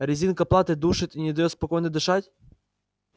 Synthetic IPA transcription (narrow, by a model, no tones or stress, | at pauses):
ɾʲɪzʲinkɐplˠat̪ɨd̪uʂɨt̪inʲɪd̪ɐjot̪spɐkojnəd̪ɨʂatʲ